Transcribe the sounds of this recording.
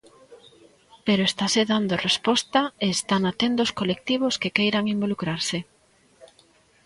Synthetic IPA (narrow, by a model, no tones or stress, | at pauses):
peɾoest̪aseðand̪orespɔst̪ɐeːst̪anat̪end̪oʊskolek̚t̪iβ̞oskekejɾaŋimbolukɾaɾsɪ